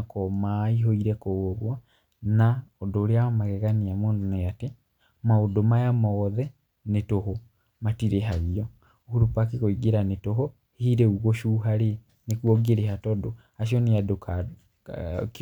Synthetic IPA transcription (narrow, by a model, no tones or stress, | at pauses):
kɔmaiɦoiɾɛkooβwa | naodoːɾeaamaɣɛɣaniamoːndonejate | maodomajamɔɣɔðɛ | netoho | matiɾeɦaɣiɔ | ohuɾupak̬ekoiɡeɾanetoɦo | ehiɾɛuɣoʃuɦaɾe | nekwɔɡeɾehatɔdo | aʃ̬iɔneadoka